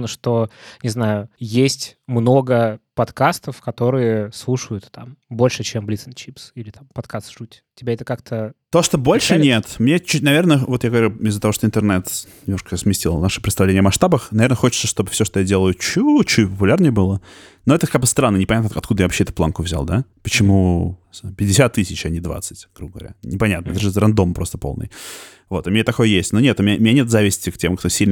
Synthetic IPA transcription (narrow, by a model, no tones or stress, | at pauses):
nəʂt̪onʲɪznajʊjesʲtʲmno̞ɡəpɐt̪kast̪əfkɐt̪o̞ɾɨjəslˠuʂəjʊt̪t̪a̰mbo̞lʲʂɨt͡ɕemblʲit̪sɨnt͡ɕipsilʲɪt̪ampɐt̪kast̪ʐ̥utʲ | tʲɪbʲaɛt̪əkakt̪ʰət̪oʂt̪obo̞lʲʂɨnnʲe̞t̪mnʲet͡ɕːut̚ʲnɐvʲe̞rnəvo̞t̪jaɡəvɐɾʲuɪzːət̪ɐvo̞ʂt̪oɪnt̪ərnɛt̪nʲɪmnoʂkəjsmʲɪsʲtʲilˠvnaʂɨ̥pɾʲɪt̪st̪ɐvlenʲɪəmɐʂt̪abəxnɐvʲeɾnəxo̞t͡ɕɪt̪səʂt̪o̞bɨfsʲo̞ʂt̪ojadʲe̞lˠəjʊt͡ɕut͡ɕːupəpʊlʲarnʲəjəbɨlˠə | no̞ɛt̪əkaɡ̚bəɨst̪ɾanːənʲɪpɐnʲat̪nəɐt̪kud̪əjavɐpɕːeɛt̪ʊplˠa̰nkʊvzʲa̰lˠd̪apət͡ɕɪmu | pʲɪdʲɪsʲat̪ːɨsʲɪt͡ɕɐnʲɪd̪va̰t̪sɨtʲɡ̥ɾubəɡəvɐ̰ɾʲa̰nʲɪpɐnʲat̪nəɛt̪əʐɨzɾɐnd̪o̞mpɾo̞st̪əpolˠnɨ̰j | vo̞t̪ʊmʲɪnʲet̪ɐko̞jəjesʲtʲnonʲet̪ʊmʲɪnʲʊmɪnʲanʲet̪zavʲɪsʲtʲɪktʲemkt̪osʲilʲn